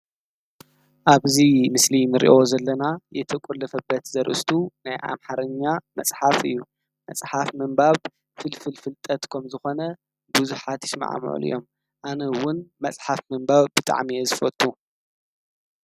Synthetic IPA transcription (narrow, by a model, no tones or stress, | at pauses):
ʔaβzimɨslinɨɾḭʔozɐlːɐnajɛt̪ʰɐkʼulːɐfɐbːɐt̪zɐɾʔɨ̰st̪ʰunajʔa̰mħaɾɐɲːamɐsʼħafɨjːu | mɐsʼħafmɨmbaβ | fɨlfɨlfɨlt̪ʼɐt̪kʰɐmzɨxo̞nɐ | buzuħat̪jɪsma̰ʕa̰m̰ʕṵlʔɨ̰jo̞m | ʔanɐwʊnmɐsʼħafmɨmbaβbɨt̪ʼa̰ʕmiezɨfɐt̪ʼːu